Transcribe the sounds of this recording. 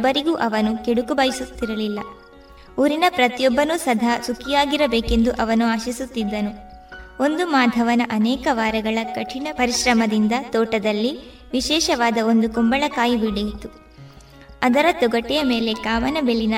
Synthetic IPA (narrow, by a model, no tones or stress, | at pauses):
bːɐɾiɡuːʔɐʋɐnukeɽukubɐjisut̪ːiɾɐlilːɐ | uːɾinɐpɾɐt̪jɔbːɐnusɐd̪ʱasukʰijaːɡiɾɐbeːke̞nd̪uʔɐʋɐnuaːʃisut̪ːid̪ːɐnu | o̞nd̪umaːd̪ʱɐʋɐnɐʔɐnɛːkɐʋaːɾɐɡɐɭɐkɐʈʰinɐpɐɾiʃɾɐmɐd̪ind̪ɐt̪ɔːʈɐd̪ɐlːi | ʋiʃɛːʃɐʋaːd̪ɐo̞nd̪ukumbɐɭɐkaːjibiɽijit̪u | ɐd̪ɐɾɐt̪ɔɡɐʈːɛjɐme̞ːle̞kaːmɐnɐbeɭːinɐ